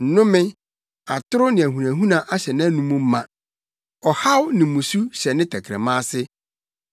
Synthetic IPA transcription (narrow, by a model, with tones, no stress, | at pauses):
n̩˨nʊ̃˦mɪ̃˦ | a˨tʊ˦ɾʊ˦nɪ̃˨æ˨ɦu˨nã˨ɦũ˦nã˨ʔa˦ɕɛ˨nɪ̃˦nũ˦mũ˦m̩˦mã˨ | ɔ˨ha˦wnɪ̃˨mũ˨su˦ɕɛ˨nɪ̃˦tʰɛ˨kʰɾɛ̰˨mãː˦sɪ˦